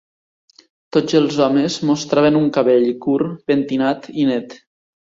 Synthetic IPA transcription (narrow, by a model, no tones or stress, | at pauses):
t̪od͡zəlˠzɔmezmost̪ɾaβenuŋkaβeʎkuɾpent̪inat̪inɛt̪